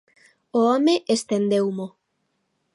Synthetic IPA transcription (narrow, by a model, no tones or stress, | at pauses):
oɔmeʔest̪end̪ewmo